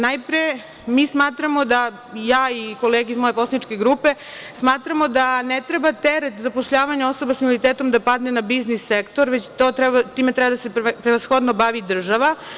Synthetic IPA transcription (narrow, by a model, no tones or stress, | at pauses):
najpɾee | miːsmaːt̪ɾamo̞d̪a | jaːiko̞leːɡeizmojepo̞sanit͡ʃke̞ɡɾuːpe̞smaːt̪ɾamo̞d̪anet̪ɾebat̪eɾet̪zapoʃʎaːʋaɲao̞sobasinlit̪eːt̪omd̪apad̪nenabiznisːekt̪oɾʋet͡ɕt̪ot̪ɾɛbat̪iːmet̪ɾɛbad̪asepɾeʋasxo̞d̪nobaʋid̪r̩ʒaʋa